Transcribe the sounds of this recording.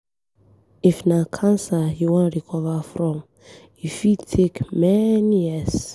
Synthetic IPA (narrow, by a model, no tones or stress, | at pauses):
ifnakʰãnsajuwɔ̃nɹikʰɔvəfɹɔ̃m | jifidtʰekmɛnijɛs